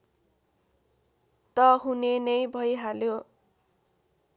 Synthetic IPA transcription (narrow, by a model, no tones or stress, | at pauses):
t̪ʌɦunenʌjbʱʌjɦaljo